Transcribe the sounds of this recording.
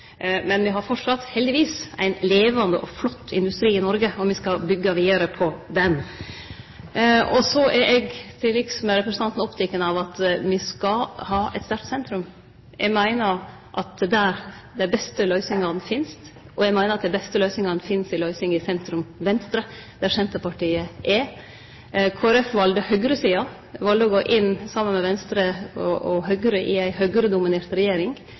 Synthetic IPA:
mɛnʋɪɦɑɾfɔʈʂɑt̪hɛld̪ɪʋiːsæ̰ɪnleːʋɑnd̪əʔɔflɔt̪ːɪnd̪ʉst̪ɾiːɪnɔɾɡəɔmʋɪskɑbʏɡːɑʋiːd̪ɑɾəpʰɔd̪ɛn | ɔsɔʔɛɾʔɛɡt̪ʰɪlːɛɡsmɛɾɛpɾəsənɑnt̪n̩ɔpt̪ʰɪkːənɑʋɑt̪ʋɪskɑhɑːɛ̰t̪st̪æɾʈ̪sɛnt̪ɾʉm | ɛɡmæɪnəɾ | ʔɑt̪̚d̪æɾd̪æɪbɛst̪əlœʏsɪŋɑnfɪnst̪ | ɔjɛɪɡmæɪnəɾɑt̪̚d̪æɪbɛst̪əlœʏsɪŋɑnfɪnsɪlœʏsɪŋɪsɛnt̪ɾʉmʋɛnst̪ɾəd̪̥æɾsɛnt̪əpɑʈiːəʔɛ | kʰoːæɾɛfʋɑld̪əhœɡɾəsiːɑ | ʋɑld̪əɔɡoːʔɪnːsɑmːənmɛʋɛnst̪ɾəɔʔɔɦœɡɾəʔɪæɪhœɡɾəd̪ʊmɪneːɾt̪ɾɛjeːɾɪŋ

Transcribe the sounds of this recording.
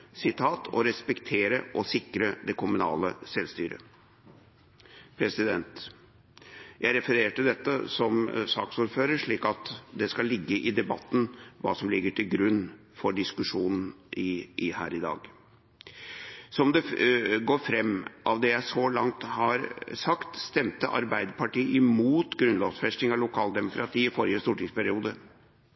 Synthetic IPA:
sɪt̪ʰɑːt̪ʰɔ̰ɾɛspɛkt̪ʰeːɾəʔɔsɪkɾəd̪ɛkʰʊmʉnɑ̰ːləsɛlst̪yːɾə̰ | pʰɾɛsɪd̪ɛnt̪ | jæɪɾɛfəɾeːʈəd̪ɛt̪ːəsɔmsɑ̰ːksuːɾføːɾəʂɭiːkɑt̪d̪ɛskɑlːɪɡːəʔɪd̪ɛbɑ̰t̪ːn̩ʋɑ̰ːsɔmlɪɡːəʈʰɪlɡɾʉnː | fɔɖɪskʉʂuːnn̩ʔɪhæ̰ːɾɪd̪ɑ̰ːɡ | sɔmd̪ɛɡoːɾfɾɛmːʔɑʋd̪ɛjæɪsɔlɑŋt̪hɑɾsɑkt̪st̪ɛmt̪əʔɑ̰ɾbæɪd̪əpʰɑʈiːəʔɪmuːt̪ɡɾʉnlɔʋsfɛsʈ̪ɪŋɑlʊkʰɑːld̪ɛmʊkɾɑt̪ʰiːɪfɔɾɪəst̪uːʈɪŋspʰæɾɪuːd̪ə

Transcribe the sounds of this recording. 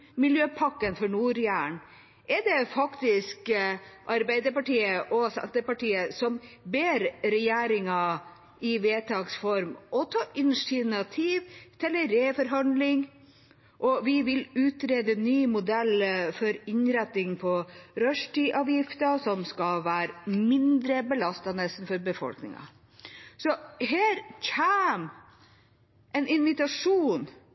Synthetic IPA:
mɪljøːpʰɑkːənfɔɳuːɾjæːɳ | ʔɛɖɛfɑkt̪ɪskʔɑɾbæɪd̪əɾpɑʈiːəʔɔsɛ̰nt̪əpɑʈiːəsɔmbeːɾɾɛjeːɾɪŋɑ | ɪʋeːt̪ʰɑːksfɔɾmɔt̪ʰɑːʔɪnsɪnɑt̪ʰiːʋt̪ʰɛlːəɾeːfɔɾɦɑnd̪lɪŋ | ʔɔʋɪʋɪlʉːt̪ɾeːd̪ənyːmʊd̪ɛlfɔɾɪɲɾɛt̪ːɪŋpʰɔɾœʂʈiːʔɑːʋjɪft̪əsɔmskɑʋæːɾmɪnd̪ɾəbəlɑst̪ɑnɛsn̩fɔɾbəfɔ̰lknɪ̰ŋɑ̰ | sɔɦeːɾçʰæːm | ʔɛnɪnʋɪt̪ɑʂuːn

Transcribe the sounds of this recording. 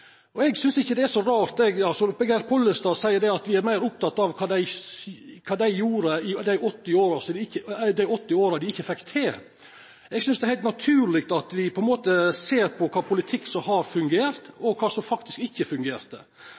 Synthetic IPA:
ʔɔɛɡsʏnsɪçːəd̪ɛæʂɔɾɑːɾt̪ɛɡɑsɔbɛɡæɾpʰɔlːəst̪ɑːsæɪəɾɖ̪ɛɑt̪ʋɪæɾmæɪɾʊp̚t̪ʰɑt̪ːɑʋkʰɑːd̪æɪ | kʰɑːd̪æɪjuːɾəɪd̪æɪʔɔt̪ːɪoːɾɑsɔd̪ɪɪçːəd̪æɪɔt̪ːɪoːɾɑd̪ɪɪçːəfɛkt̪ʰeː | ɛɡsʏnsd̪ɛæhæɪt̪nɑt̪ʰʉːlɪkt̪ɑt̪ʋɪpʰɔɛnmoːt̪əseːɾpʰɔkʰɑːpʰʊlɪt̪ʰɪkːsɔmhɑɾfʉŋɡeːɾt̪ɔkʰɑːsɔmfɑkt̪ɪskɪçːəfʉŋɡeːɾt̪ə̰

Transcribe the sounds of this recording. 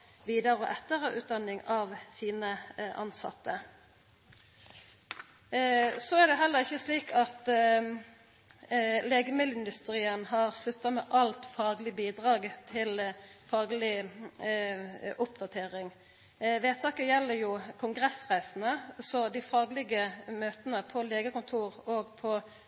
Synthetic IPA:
ʋiːd̪ɑɾɔʔɛt̪ːəʁəʔʉːt̪̚d̪ɑnɪŋɑʋsiːnəʔɑ̰nsɑ̰t̪ːə | sɔæʁd̪ɛɦɛlːəʁɪçːəsliːkʰɑt̪ | leːɡəmɪlɪnd̪ʉst̪ʁiːənhɑʁslʉt̪ːɑmɛːʔɑlt̪fɑːɡlɪbiːd̪ʁɑːɡt̪ʰɪlfɑːɡlɪ | ʔʊpd̪ɑt̪ʰeːʁɪŋ | ʋeːt̪ʰɑːkəjɛlːəjuːkʰʊŋɡʁɛsʁæɪsnəsɔd̪ɪfɑːɡlɪɡəmøːt̪ənəpʰɔleːɡəkʊnt̪ʰuːʁoːɡpʰɔ

